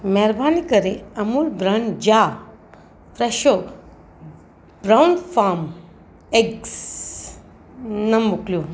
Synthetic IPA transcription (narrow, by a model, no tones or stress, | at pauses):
mɛɾbʱanikəɾeɐmuːlbɾand͡ʑa | fɾeʃo | bɾawnfam | eɡs | nɐmbuklju